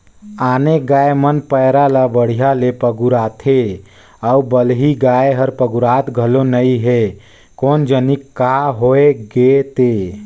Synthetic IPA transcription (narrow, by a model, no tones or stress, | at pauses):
aːneɡaːemənpəːɾalabəɽ̤ijalepəɡuɾaːt̪ʰe | əubəlɦiɡaːeɦəɾpəɡuɾaːt̪ɡʱəlonəiɦɛ | koːnd͡ʒənikːaːɦoːeɡet̪eː